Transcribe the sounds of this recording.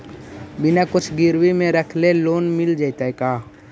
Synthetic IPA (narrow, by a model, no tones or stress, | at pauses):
bɪnakʊt͡ʃʰɡɪɾwimẽɾəkʰleloːnmɪld͡ʒait̪aekaː